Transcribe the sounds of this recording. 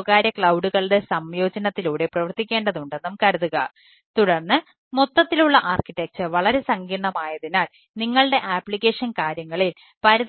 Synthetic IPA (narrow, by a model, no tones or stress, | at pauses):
ɣaːɾjɐkɭɐwɖuɣɐɭɖe̞sɐmjo̞ːd͡ʑɐnɐt̪ːiluːɽe̞prɐʋɐrt̪ikʲːe̞ːɳɖɐðuɳɖenːumkɐɾuðuɣɐ | t̪uɽɐrnːɨ | mot̪ːɐt̪ːiluɭːɐʔaːrkiʈːek̚sɨʋɐɭɐɾe̞sɐŋɡiːɳɳɐmaːjɐðinaːl | niŋːɐɭɽe̞ʔaːpːɭikːe̞ːʂɐnkaːɾjɐŋːɐɭil | pɐɾuð